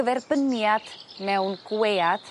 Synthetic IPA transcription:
əvɛrbənjad̥mɛwnɡ̥weːad̥

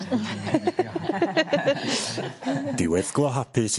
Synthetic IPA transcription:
d̥ɪwɛðɡ̥lˠɔɦapʰɨs

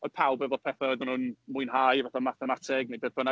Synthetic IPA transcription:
ɔd̥pʰawbɛvɔpʰɛθaɔjðʊnʊnmʊɨnɦajvaθamaθɛmatʰɪɡ̚mebeːðb̥əna

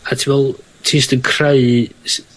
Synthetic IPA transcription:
atʰivɛlˠ | tʰiːsdəkʰrajs

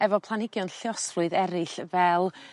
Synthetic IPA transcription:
ɛvɔpʰlˠanɪɡjɔnɬjɔslʊɨðɛɾɪɬvɛlˠ

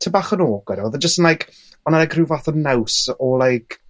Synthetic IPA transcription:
tʰəbaːχənoːɡ̥wɛɾɔwðəd͡ʒəstənlajkʰ | ɔnalajkʰrɨvaθənnːawsɔlˠajkʰ

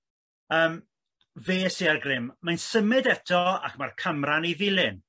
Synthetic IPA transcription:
əːm | veːsiːarɡrɪmːajnsəmɪdɛtʰɔa̰kmarkʰəmraniðɪlˠɪn

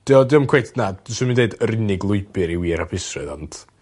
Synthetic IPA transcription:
d̥iɔdɪːɔmkʰwejtnad̥sɔmindeɨdəɾɪnɪɡlˠʊɨbɨɾiwiːɾapʰɪsrɨ̰ðɔ̰ntʰ

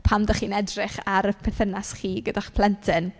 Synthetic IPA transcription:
pʰamdaχiːnɛdrɪχaɾəpʰɛθənasχiːɡədaχpʰl̥ˠɛntʰɪn

